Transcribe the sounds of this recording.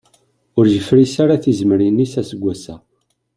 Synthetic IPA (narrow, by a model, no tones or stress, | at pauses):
ʊɾʒəfɾisaɾaθizmɾinːisæsəɡʷːæsæ̰